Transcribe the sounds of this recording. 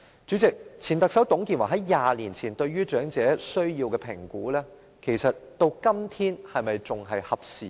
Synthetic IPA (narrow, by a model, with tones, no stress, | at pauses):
t͡ʃyː˨˥t͡sɪ˨k̚t͡sʰiː˨˩nt̪ɐ˨k̚sɐ˨˥wt̪ʊ˨˥ŋkiː˧nwaː˨˩ɦɐ˨˥jːaː˨˩liː˨˩nt͡sʰiː˨˩nt̪ɵ˧ɥyː˥t͡ʃœː˨˥ŋt͡sɛː˨˥sɵ˥ɥjiː˧wkɛː˧pʰɪ˨˩ŋkuː˨˥lɛː˥ | kʰe˨˩jsɐ˨t̚t̪o˥˧wkɐ˥mt̪ʰiː˥nhɐ˨jmɐ˨jt͡sʊ˨ŋɦɐ˨jhɐ˨p̚siː˨